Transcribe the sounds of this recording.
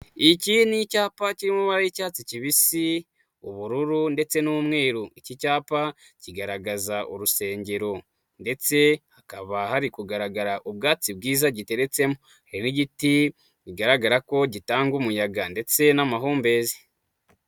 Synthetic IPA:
icinicaːpaciɾimuβaɾaicaːt͡siciβisi | uβuɾuɾunde̞t͡se̞numŋe̞ːɾuicicaːpa | ciɡaɾaɡazaʔuɾuse̞ːɲɟe̞ɾo̞ | nde̞t͡se̞hakaβahaɾikuɡaɾaɡaɾaʔub̚ɡaːt͡sib̚ɡiːzaɟite̞ɾe̞t͡se̞mo | haɾiniɟiti | ɟiɡaɾaɡaɾako̞ɟitaːŋɡumujaɡande̞t͡se̞namaɦuːmbe̞ːze̥

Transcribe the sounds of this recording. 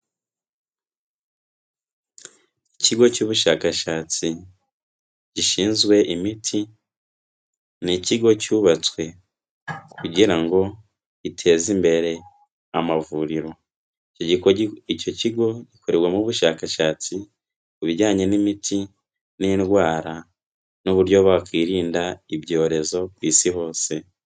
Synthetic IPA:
iciɡo̞cuːβuʃaːkaʃaːt͡si | ɟiʃiːnzɡwe̞ʔimitʰi | niciɡo̞cuːβat͡swe̞ | kuɟiɾaŋɡo̞̥ | itʰe̞ːzimbe̞ɾe̞ | amavuɾiɾo̞ | icoɟiico̞ciɡo̞ɟikʰo̞ɾeɾɡwamuβuʃaːkaʃaːt͡si | kuβiɟaːɲe̞nimitʰi | niːnɡwaːɾa | nuβuɾɟo̞βakwiːɾiːndaibɟo̞ːɾe̞zo̞kwiːsiɦo̞ːse̞

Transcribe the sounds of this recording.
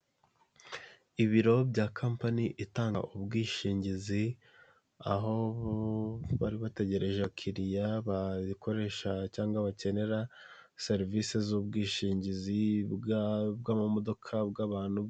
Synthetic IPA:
iβiɾo̞bɟaːkʰaːmpaniʔitaːŋɡa̰ʔubɡiːʃiːɲɟizi | a̰ɦo̞β | βaɾiβate̞ɟe̞ɾe̞ʒakʰiɾijaβaikʰo̞ɾe̞ʃacaːŋɡaβace̞ne̞ɾa | se̞ɾivisezuːbɡiːʃiːɲɟizi | bɡamamo̞do̞kʰabɡaːβaːn̥hu

